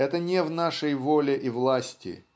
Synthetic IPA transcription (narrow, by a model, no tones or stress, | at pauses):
ɛt̪ənʲɪvnaʂəjvolʲɪʔivlˠasʲtʲɪ̰